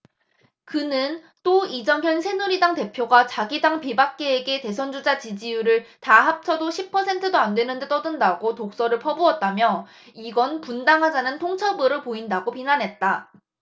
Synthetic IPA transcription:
kɯnɯn | t͈oid͡ʑʌŋɦjʌnsʰe̞nuɾidaŋte̞pʰjoɡat͡ɕaɡidaŋpibak̚k͈e̞ːɡe̞te̞sʰʌnd͡ʑud͡ʑat͡ɕid͡ʑijuɾɯɭtaɦap̚t͡ɕʰʌdoɕʰipʰːʌsʰe̞ntʰɯdoandwe̞nɯnde̞t͈ʌdɯndaɡotok̚s͈ʌɾɯɭpʰʌbuʌt̚t͈amjʌ | iɡʌnpundaŋɦad͡ʑanɯntʰoŋt͡ɕʰʌbɯɾɯɭpoindaɡopinanɦe̞t̚t͈a

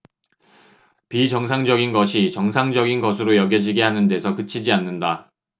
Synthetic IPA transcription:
pit͡ɕʌŋs̬ʰaŋd͡ʑʌɡinɡʌɕʰit͡ɕʌŋsʰaŋd͡ʑʌɡinɡʌsʰɯɾojʌɡjʌd͡ʑiɡeɦanɯnde̞sʰʌkɯt͡ɕʰid͡ʑianːɯnda

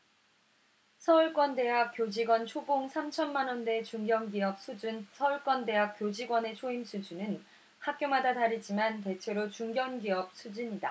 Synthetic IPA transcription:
sʰʌuɭk͈wʌnde̞ɦak̚p͈jod͡ʑiɡwʌnt͡ɕʰoɡoŋsʰamt͡ɕʰʌnmanʌnde̞t͡ɕuŋɡjʌŋɡiʌp̚sʰud͡ʑunsʰʌuɭk͈wʌnde̞ɦak̚p͈jod͡ʑiɡwʌne̞t͡ɕʰoimsʰud͡ʑunɯn | hak̚k͈jomadataɾid͡ʑimante̞t͡ɕʰe̞ɾot͡ɕuŋɡjʌnɡiʌp̚sʰud͡ʑiɲida̰

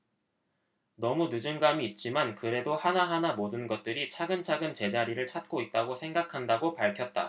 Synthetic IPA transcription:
nʌmunud͡ʑɯŋɡamiːt̚t͡ɕ͈imankɯɾe̞dohanaɦanamodɯnɡʌt̚t͈ɯɾit͡ɕʰaɡɯnt͡ɕʰaɡɯnt͡ɕe̞d͡ʑaɾiɾɯɭt͡ɕʰat̚k͈oit̚t͈aɡosʰe̞ŋɡakʰandaɡopaɭkʰjʌt̚t͈a̰

